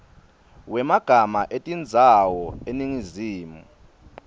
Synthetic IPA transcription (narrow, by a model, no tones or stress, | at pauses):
wɛmaɡ̥ʱamaʔetʼind͡zʱawɔeniŋiziːmṵ